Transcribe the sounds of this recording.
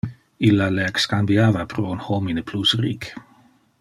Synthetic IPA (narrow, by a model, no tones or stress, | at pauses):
ilːaleɛkskambiaːvapʰɾounhominəpʰlusriːk